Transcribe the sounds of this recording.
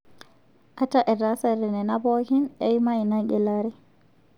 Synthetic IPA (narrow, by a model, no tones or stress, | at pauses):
ʔataʔɛɾasaɾɛnɛnabɔhinɛjmajnaɡɛlaɾɛ